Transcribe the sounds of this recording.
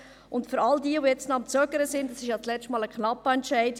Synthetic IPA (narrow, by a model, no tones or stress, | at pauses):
ʔʊntføɾɑldiːəvojɛt͡stnoɑmt͡søɡəɾəsɪndɑsɪʃjɑːt͡slɛt͡ʃtmɑːləkχnɑpːəɛntʃæɪd